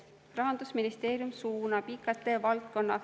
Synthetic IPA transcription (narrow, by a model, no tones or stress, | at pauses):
rɑɦɑnd̪̥usminist̪e̞ːɾjumsuːnɑpiːkːɑt̪ːˑe̞ːvɑlt̪̚ko̞nːɑ